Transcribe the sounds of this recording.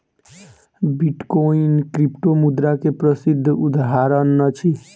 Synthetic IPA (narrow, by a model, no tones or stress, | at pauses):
biʈkoinkɾipʈomud̪ɾakepɾəsid̪ʱːud̪aɦaɾənːət͡ʃʰi